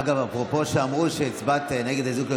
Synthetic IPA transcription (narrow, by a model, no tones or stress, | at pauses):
ɡavapʁopo̞ʃeamʁuʃet͡sbat̪neɡed̪azukle